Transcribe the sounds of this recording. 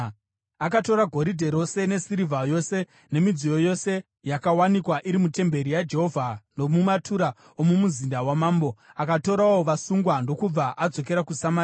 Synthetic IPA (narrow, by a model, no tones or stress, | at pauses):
akato̞ɾaɡʱo̞ɾidʱe̞ɾo̞se̞ne̞siɾivajo̞se̞ | ne̞mid͡zijo̞jo̞se̞ | jakawanikwaʔiɾimute̞mbe̞ɾijad͡ʒe̞ɦo̞vʱanomumatʰuɾa | omumuzindawamaːmbo̞akato̞ɾawo̞ʋasuŋɡwando̞kub͡vaʔad͡zo̞ke̞ɾakusama